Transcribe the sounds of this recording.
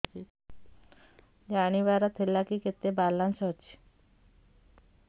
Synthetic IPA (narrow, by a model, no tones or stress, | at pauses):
d͡ʒaɽ̃iʋaɾat̪ʰelakiket̪ːebalːansət͡ɕi̥